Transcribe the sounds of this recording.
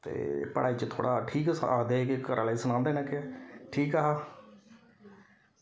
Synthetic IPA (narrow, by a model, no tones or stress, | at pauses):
t̪ḛːpəɽaːiːt͡ʃt̪ʰo̰ːɽaːʈʰiːka̰ːkd̪eːkɪkəɾʔaːleːsənãːnd̪eːnɛ̃ːkɪːʈʰiːkaːɦaː